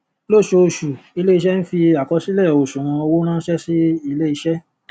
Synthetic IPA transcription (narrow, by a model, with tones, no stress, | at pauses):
lo˦˨ʃo˧˨ʃu˨i˧le˦i˧ʃɛ˦n̩˦fi˧a˨kɔ˧si˦lɛ˦˨o˨ʃũ˨ã˧o˧wo˦nãː˦ʃɛ˦si˦i˦˧le˦i˧ʃɛ˦